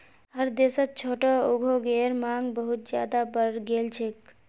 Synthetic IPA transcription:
ɦəɾd̪esət̪̚t͡ʃʰoʈɔoɡʱoɡeɾmaŋɡbəɦut̪̚d͡ʒjad̪abəɾɡelt͡ʃʰek

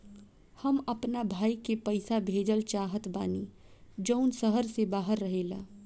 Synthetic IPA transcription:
həmɐpnabʱaːikepəɪsabʱeːd͡ʒəlt͡ʃaːɦət̪baːniː | d͡ʒəʊnsəɦəɾsebaːɦəɾːəɦeːla̰ː

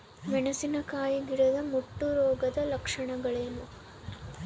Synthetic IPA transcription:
ʋɛɳɐsinɐkaːjiɡiɽɐd̪ɐmuʈːuɾoːɡɐd̪ɐlɐkʂɐɳɐɡɐɭeːnu

